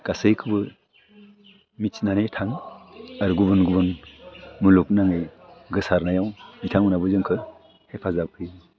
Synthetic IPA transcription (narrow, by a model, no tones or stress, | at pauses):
ɡ̥asɯjkʰɯbɯ | mit͡ʃnanejtʰaŋaɾuɡubɯnɡubɯn | muluk̚naŋɯjɡɯsaɾnajawnitʰaŋunabɯzɯŋkʰɯ | hepʰazap̚ʰɯj